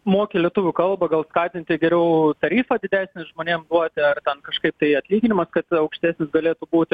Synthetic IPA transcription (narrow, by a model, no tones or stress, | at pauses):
moːkʲɪːlʲiɛt̪ʊʋʲʊkɐlˠbɐɡɐlˠskɑːt̪ʲɪnʲt̪ʲɪɡʲɛɾʲɛʊt̪ɐɾʲiːfɐd̪ʲɪd̪ʲæːsʲnʲɪʒmoːnʲeːmd̪uɔt̪ʲɪɐrt̪ʲɛnkɐʃkɐɪp̚t̪ɐɪɐt̪ʲlʲiːɡʲɪnʲɪmɐskɐt̪ɐʊkʃʲt̪ʲæːsʲnʲɪsɡɐlʲeːt̪ubuːt̪ʲ